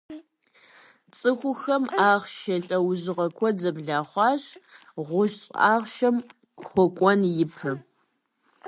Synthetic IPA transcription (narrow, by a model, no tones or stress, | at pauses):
t͡sʼɨxʷʊxɐmaːʁʃɐɬʼɐwʑɨʁɐkʷʰɔd͡zɐbɮaːχʷɑːɕʁʷʊʃɕʼaːʁʃɐm | xʷɔkʷʼɔnjɪpʰɨ